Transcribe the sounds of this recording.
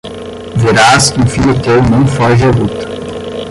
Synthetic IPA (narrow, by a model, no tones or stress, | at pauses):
veɾaskũfiʎʲʊt̪ewnɐ̃w̃fɔʒɐlut̪ɐ̥